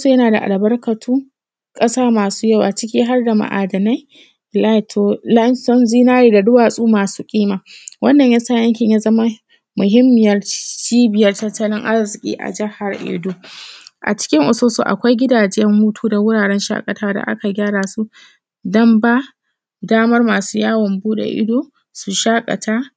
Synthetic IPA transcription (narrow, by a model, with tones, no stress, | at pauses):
su˨jɐ˦naː˨da˨ʔa̰˨lbɐ˦rkɐ˨tʰuː˦ | kʼɐ˦saː˦maː˨suː˦jɐ˦˨wa˨t͡ʃɪ˦kʲiː˦ɦa˦rda˨ma̰˨ʔa̰ː˨dɐ˨na˦j | la˦˨tʰo˨la˦nsɔ˦nziː˦naː˦ɾiː˨da˨dʊ˦waː˨sʼuː˦maː˨suː˦kʲʼiː˦maː˨wʔɐ˦nːɐ˨ɲjɐ˦saː˦˨jɐ˦ŋkʲɪ˨ɲjaː˦zɐ˦ma˦ | mʊ˨ɦɪ˦mːɪ˨jɐ˦rt͡ʃiː˦bɪ˨jɐ˦rtɐ˦tːɐ˦lɪ˦ŋʔa˦rzɪ˨kʲʼḭː˦ʔa̰˨d͡ʒɪ˦ha˨rʔḛː˨duː˦ʔa̰˨t͡ʃɪ̥˦kʲɪ˦ŋʔʊ˨soː˦so̰˨ʔa̰˨kʷa˦jɡʲɪ˦daː˨d͡ʒɪ˦jɛ˦mhuː˦tʰuː˦da˨wʊ˦ɽaː˨ɽɛ˦nʃa̰ː˦kʼɐ˨taː˦da̰˨ʔa̰˦ka˨ɡʲaː˦ɽaː˨su˦ | dɐ˦mba˦ | daː˦mɐ˦rmaː˨suː˦jaː˦wɐ˨mbuː˦ɗḛ˨ʔɪ̰˦doː˦ | su˨ʃaː˦kʼɐ̰˨tʰaː˦